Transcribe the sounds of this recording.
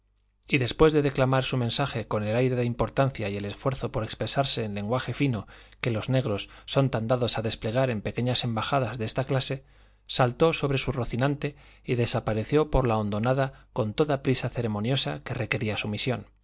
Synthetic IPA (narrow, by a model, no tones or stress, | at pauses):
iðe̞spwe̞zðe̞ðe̞klamaɾsumẽ̞nsaxe̞ko̞ne̞lajɾe̞ðeimpo̞ɾt̪an̟θjaie̞le̞sfwe̞ɾθo̞po̞ɾe̞kspɾe̞saɾse̞ːnle̞ŋɡwaxe̞fino̞ke̞lo̞zne̞ɣ̞ɾo̞sːo̞nt̪and̪aðo̞saðe̞sple̞ɣ̞aɾe̞mpe̞ke̞ɲasembaxaðazðee̞st̪aklase̞ | salt̪o̞so̞βɾe̞suroθinãnt̪e̞ | iðe̞sapaɾe̞θjo̞po̞ɾlao̞nd̪o̞naðako̞nt̪o̞ðapɾisaθe̞ɾe̞mõ̞njo̞sake̞re̞ke̞ɾiasumisjo̞̰n